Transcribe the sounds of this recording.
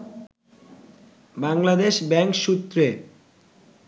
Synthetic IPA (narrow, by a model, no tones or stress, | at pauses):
baŋlad̪eʃbɛŋkʃut̪ːɾe